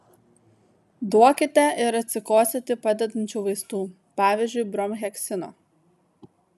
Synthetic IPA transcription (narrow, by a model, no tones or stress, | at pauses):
d̪uɔkʲɪt̪ʲɛʔɪɾɐt̪ʲsʲɪkoːsʲet̪ʲɪpɐd̪ʲɛd̪ɐnʲt͡ʃʲuːʋɐɪst̪uː | pɑːʋʲɪːzʲd͡ʒʲʊɪbɾɔmɣʲɛkʲsʲɪno̰ː